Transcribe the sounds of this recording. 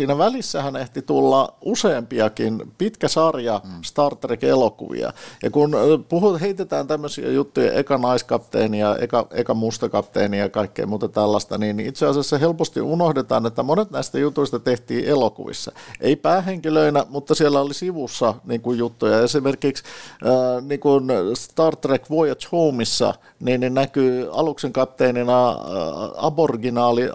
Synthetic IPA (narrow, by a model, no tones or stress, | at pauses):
siːnæʋælisːæhæneht̪it̪ulːɑʔuseːmpiɑkinpit̪kæsɑrjɑst̪ɑrt̪ːrekelokṵʋḭɑ̰jɑkunpuhuheit̪et̪æːnt̪æmːøsḭɑ̰jut̪ːujɑ̰ʔḛikɑnɑiskɑpt̪ḛːniɑḛikɑḛikɑmust̪ɑkɑpt̪ḛːniɑkɑikːḛːmuːt̪ɑt̪ælːɑst̪ɑninit̪seɑsɑsːɑhelpost̪ḭʔunohdet̪ɑ̰ːnet̪ːæmonet̪næist̪æjut̪uist̪ɑt̪eht̪iːʔelokṵʋḭsːɑ̰ʔeipæːheŋkiløinæmut̪ːɑsielːæolisiʋusːɑniːŋkujjut̪ːujɑesimerkiks | niːkunst̪ɑːrt̪ːrekʋoijɑt̪houmisːɑ̰ | niːnnenækyːɑlukseŋkɑp̚t̪eːninɑ | ɑ̰borɡinɑːli